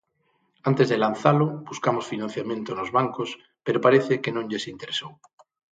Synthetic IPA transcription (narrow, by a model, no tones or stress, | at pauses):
ant̪ezðelanθalʊbuskamosfinãn̟θjamjẽnt̪onozβaŋkos | peɾopaɾeθekenõŋʎesint̪eɾesow